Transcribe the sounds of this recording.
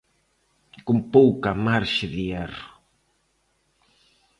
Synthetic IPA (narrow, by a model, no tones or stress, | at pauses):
kompowkamaɾʃɪðiɛrʊ